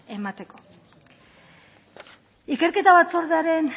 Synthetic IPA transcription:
e̞mat̪e̞ko̞̥ | ike̞ɾke̞t̪aβat͡soɾðeaɾe̞n

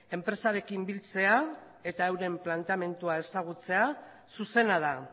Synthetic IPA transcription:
e̞mpɾe̞saɾe̞kimbilt͡se̞a | e̞t̪aewɾe̞mplant̪eame̞nt̪uae̞saɣ̞ut͡se̞a | suse̞nað̞a

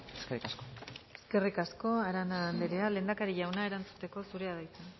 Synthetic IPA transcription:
eskerikaskoe̞ske̞rikasko̞aɾanaːnd̪eɾeale̞ːnd̪akaɾiʝawnae̞ɾant͡su̥t̪e̞ko̞suɾe̞aðajt͡sen

